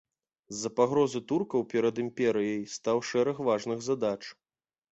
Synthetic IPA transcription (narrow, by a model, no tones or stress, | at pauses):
zːɐpaɣɾɔzɨt̪urkɐwpʲɛɾɐd̪ɨmpʲɛɾɨjɐjst̪awʂɛɾɐxvaʐnɨɣzɐd̪at͡ʂ